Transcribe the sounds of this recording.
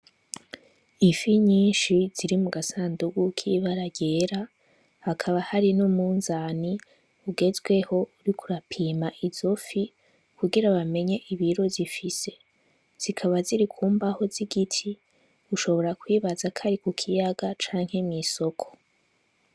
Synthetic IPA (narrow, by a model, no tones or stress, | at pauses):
ifiɲiːnʃiz̥iɾimuɡasaːnduɡukʰiβaɾaɟe̞ːɾa | hakʰaβahaɾinumuːnzaːni | uɡe̞zɡwe̞ho̞uɾikʰuɾapʰiːmaʔiz̥o̞fi | kuɡiɾaβame̞ɲe̞ʔiβiɾo̞zifise̞̥ | z̥ikʰaβaziɾikʰuːmbaho̞ziɡitʰi | uʃo̞βo̞ɾakwiːβazakʰaɾikukʰijaɡat͡ʃaːŋhe̞miso̞kʰo̥